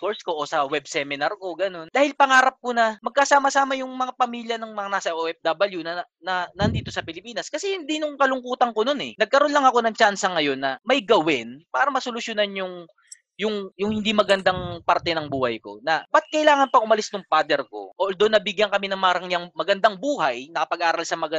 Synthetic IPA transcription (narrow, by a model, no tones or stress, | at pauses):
fkoɹsko̞ʔosɐwɛb̚sɛmɪnɐɾko̞ɡɐno̞nd̪aːhɪlpɐŋaːɾɐp̚ko̞nɐmɐɡ̚kɐsaːmɐsaːmɐjʊŋmɐŋapɐmiːljɐnɐŋmɐŋanaːsɐʔoʔɛfd̪abɐljunɐ | nɐnɐnd̪iːt̪o̞sɐpɪlɪpiːnɐskɐsɛhɪnd̪inʊŋkɐlʊŋkuːt̪ɐŋkono̞nɛ̰nɐɡ̚kɐɾo̞nlɐŋɐko̞nɐŋt͡ʃansɐŋɐjo̞nːɐmɐjɡɐwɪnpaːɾɐmɐsolʊsjonɐnjʊŋ | jʊŋjʊŋhɪnd̪imɐɡɐnd̪aŋpɐɾt̪ɛnɐŋbuːhɐ̰jko̞̰nɐbɐt̪̚kɐʔɪlaːŋɐnpɐʔʊmɐlɪsnʊŋpaːd̪ɛɾko̞̰ʔoʔld̪onːɐbɪɡjɐnkɐmɪnɐŋmɐɾɐŋjaŋmɐɡɐnd̪aŋbuːhɐjnɐkɐpɐɡ̚ʔaːɾɐlsɐmɐɡɐ